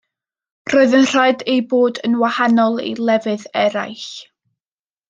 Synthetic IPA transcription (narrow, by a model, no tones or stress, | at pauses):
roːɨðənr̥aɨdejboːdənwahanɔlˠḛlˠɛvɨðɛɾa̰jɬ